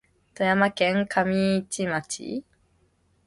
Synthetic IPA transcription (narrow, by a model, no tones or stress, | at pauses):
t̪ojamakẽŋkʰamʲit͡ɕimat͡ɕḭ